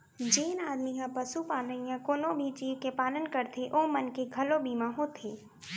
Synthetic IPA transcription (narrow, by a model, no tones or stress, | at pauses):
d͡ʒeːnaːd̪mikãpəsupaːləijãkoːnõbʱit͡ʃiːʋkepaːlənkəɾt̪ʰeʔoːmənkeɡʱɐlobʱiːmãɦoːt̪ʰeː